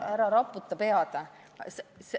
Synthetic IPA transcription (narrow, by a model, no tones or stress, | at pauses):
æɾɑɾɑpːˑut̪ːˑɑpeɑd̪̥ɑ | ses